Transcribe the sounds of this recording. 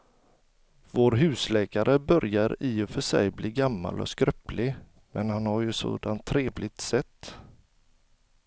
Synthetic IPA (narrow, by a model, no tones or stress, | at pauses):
voːɾɦʉ̟ːslɛːkaɾʔəbœɾjaɾiɔfœʂɛ̰jbliːɡamːa̰lɔ̰skɾœplɪ | mʔɛnhanhaɾjɵso̰ːd̪ant̪ʰːɾeːvlɪt̪sɛt̪ː